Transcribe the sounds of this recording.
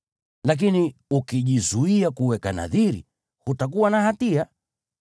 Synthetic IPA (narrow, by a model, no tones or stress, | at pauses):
lak̬iniukiʄizuiakuwɛkana̰ðiɾḭ | hutak̬uwanahatia